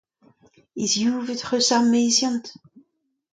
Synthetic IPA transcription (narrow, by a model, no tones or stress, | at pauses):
izjuːvət̪χøsamezjɑ̃nt̪